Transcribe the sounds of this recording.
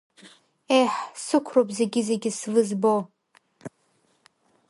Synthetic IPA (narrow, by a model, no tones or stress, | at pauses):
ejħsɨkʷʰropzeɡʲɪzeɡʲɪsvɨzbo